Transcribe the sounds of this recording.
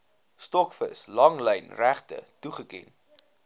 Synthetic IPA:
stɔkfəslɐŋləjnræχtə̰tuχəkɛ̰n

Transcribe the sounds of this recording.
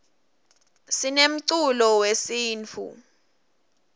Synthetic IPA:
sinem̩ǀulɔwesiːnt͡fʰṵ

